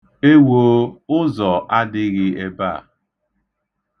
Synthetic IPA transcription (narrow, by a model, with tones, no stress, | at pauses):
e˦wo˦ʊ˦zɔ˨ʔa˦dɪ˦ɣɪ˦e˦ba̰˦˨